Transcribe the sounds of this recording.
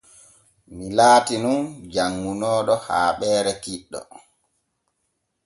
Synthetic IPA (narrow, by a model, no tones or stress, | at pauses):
milaːtinund͡ʒaŋːunɔːɗɔha̰ːɓɛːɾɛkiɗːɔ̰